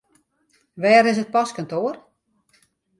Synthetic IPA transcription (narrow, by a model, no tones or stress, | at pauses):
ʋɛːɾɪs̬ət̚pɔskantoər